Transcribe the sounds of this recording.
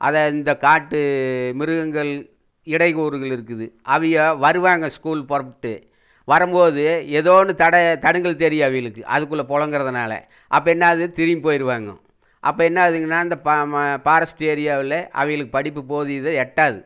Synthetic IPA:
ʔɐ̰ðɐɪnd̪ɐkaːʈːɯmɪɾɯɣɐŋɡɐɭ | ɪɽɐɪɣuːɾɯɣɐɭɪɾɯkːɯðɯʔɐʋɐjɐʋɐɾɯʋaːŋɡɐskuːlpɔɾɐpːʈːɯ | ʋɐɾɯmboːðɯɛðoːnɯt̪ɐɽɐt̪ɐɽɯŋɡɐɭt̪ɛɾɪjɐɐʋɐɪjɐɭɯkːɯʔɐ̰ðɯk̬ːɯɭːɐpɔɻɐŋɡɯɾɐðɯnaːlɐ̰ | ʔɐpːoːɛnːaːðɯt̪ɪɾɪpoːjɪɾɯʋaːŋɡɐ̰̃ | ʔɐpːoːɛnːaːðɯŋɡɐnːaːɪnd̪ɐppaːɾɐsʈeːɾɪjaːʋɪlɛʔɐ̰ʋɐɪjɐɭɯkːɯpɐɽɪp̬ːɯpoːðɯɪðɯɛʈːaːðɯ

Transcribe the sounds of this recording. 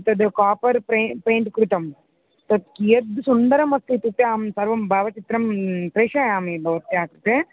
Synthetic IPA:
t̪ɐd̪kaːpɐɾpɾepeːɳʈkɾut̪ɐm | t̪ɐt̪̚kied̪sund̪ɐɾɐmɐt̪ːit̪upːeaːmsɐɾʋɐmbʱaːʋɐt͡ʃit̪ɾɐmpɾeːʂaːjaːmebʱɐʋɐt̪jaːkɾut̪e

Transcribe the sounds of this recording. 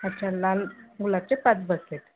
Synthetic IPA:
at͡ɕalalmulat͡sepat͡sbəset̪

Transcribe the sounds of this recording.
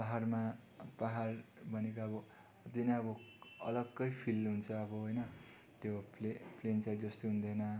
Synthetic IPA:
paɦarmapaɦarbʱʌnekaʌbʌ | ʌd̪inaʌbʌʌlʌɡːʌjpʰilɦunt͡sʰʌʌbʌɦʌjnʌ | t̪jopleplent͡sajd͡zʌst̪oɦund̪ʌnʌ

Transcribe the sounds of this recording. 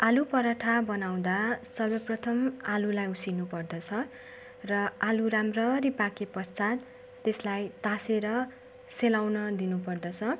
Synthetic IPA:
alupʌɾʌʈʰabʌnaw̃d̪asʌrbʌprʌt̪ʰʌmalulajusinupʌrd̪ʌt͡sʰʌ | rʌaluɾamrʌripakepʌst͡sat̪ː | eslajt̪aseɾʌ | selawnʌd̪inupʌrd̪ʌt͡sʰʌ

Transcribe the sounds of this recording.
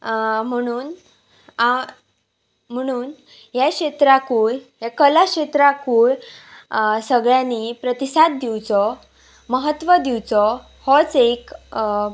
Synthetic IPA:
m̤əɽ̃uːn | a | m̤əɽ̃uːn | jakɕet̪ɾakuːɭɦjakəlaɕet̪ɾakuːɭ | səɡɭjãnipɾət̪isat̪̚d̪iwt͡sɔ | məɦət̪ʋəd̪iwt͡sɔ | hɔt͡sek

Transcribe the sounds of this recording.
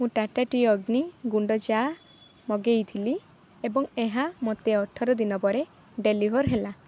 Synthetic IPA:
mũʈaʈaʈiɔɡniɡuɳɖɔd͡ʒa | mɔɡejt̪ʰili | ebɔŋeɦamot̪eɔʈʰɔɾɔd̪inɔpɔɾe | ɖelibʱɔɾɦela

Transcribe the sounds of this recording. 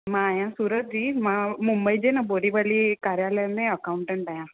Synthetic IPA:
mãːjãsuːɾət̪̚d͡ʑiːmãmumbəid͡ʑenaboɽiʋalikaɾjaləjmẽəkauɳʈəɳʈajã

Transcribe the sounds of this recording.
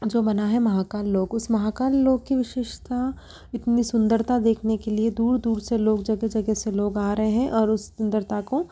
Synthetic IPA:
d͡ʒoːbɐnaɦɛmɐɦaːkaːlːoːɡʊsmɐɦaːkaːlːoːɡ̚kiʋɪʃeːʃt̪a | ɪt̪nisʊ̃nd̪əɾt̪ad̪eːkʰnekelied̪uːɾd̪uːɾseloːɡd͡ʒɐɡɛd͡ʒɐɡɛseloːɡaːɾɐɦeɦɛ̃ʔɔːɾʊsːʊ̃nd̪əɾt̪ako

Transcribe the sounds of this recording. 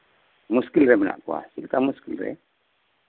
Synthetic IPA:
muskilɾɛməna̰ʔkua̰silkamuskilrɛ̰

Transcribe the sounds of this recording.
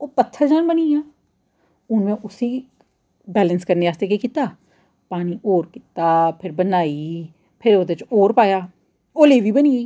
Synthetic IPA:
oːpət̪ʰːəɾd͡ʒaːnbənijãː | ʊnmẽʔʊsiː | bɛːlənskəɾneaːst̪ekekɪt̪aː | paːniʔoːɾkɪt̪aːpʰɪɾbənaːi | pʰɪɾod̪et͡ʃoːɾpaːjaː | oːleːʋibəniiː

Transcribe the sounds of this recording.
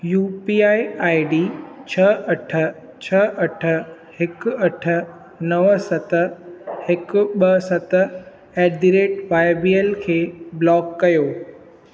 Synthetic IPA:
juːpiːaːiaːiɖiːt͡ɕʰɐʔɐʈʰə̆ | t͡ɕʰɐʔɐʈʰə̆ | hɪkʊɐʈʰə̆ | nɐʋsɐt̪̆hɪkʊ̆ɓɐsɐt̪ | ɛːɖiɾeːʈʋaːɪbieːlkʰeːblɔːkːɐjoː

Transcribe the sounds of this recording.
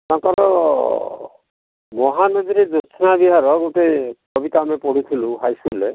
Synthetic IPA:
t̪ãkaɾɔ | mɔɦanɔd̪iɾed̪ut͡ʃʰɔnabiɦaɾɔɡoʈekɔbit̪amepɔɽ̤ut̪ʰiluɦajskule

